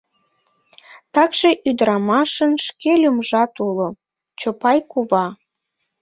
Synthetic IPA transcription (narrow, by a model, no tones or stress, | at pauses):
t̪ɑkʒeʔyd̪əɾɑmɑʃənʃkelʲumʒɑt̪ulo | t͡ɕopɑjkuβɑ